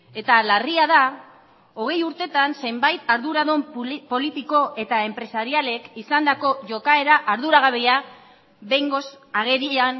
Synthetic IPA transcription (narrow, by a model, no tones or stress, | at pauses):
e̞t̪alariaða | o̞ɣ̞e̞juɾt̪e̞t̪anse̞mbajt̪aɾðuɾaðo̞mpo̞lit̪iko̞ʔe̞t̪ae̞mpɾe̞saɾiale̞kisand̪ako̞ʝo̞kae̞ɾaʔaɾðuɾaɣ̞aβea | βe̞jŋɡo̞s | aɣ̞e̞ɾian